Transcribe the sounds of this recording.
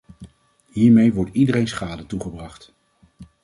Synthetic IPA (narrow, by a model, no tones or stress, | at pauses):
ɦiːɹmejʋɔɹtidəɾejnsχaːdətuχəbrɑχt